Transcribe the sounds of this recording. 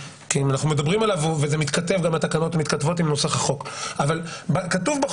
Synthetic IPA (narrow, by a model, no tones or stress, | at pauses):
kimanaχnumed̪abʁimalavvezemit̪kate̞vɡamat̪akano̞tmit̪katvo̞timnoseχaχo̞kavalbakatuvbe